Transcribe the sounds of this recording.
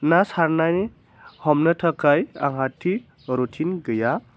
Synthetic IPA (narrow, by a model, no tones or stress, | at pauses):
nasaɾnajne | hɔmnɯtʰəkaja̰ŋɦatʰːi | ɾutʰinɡɯja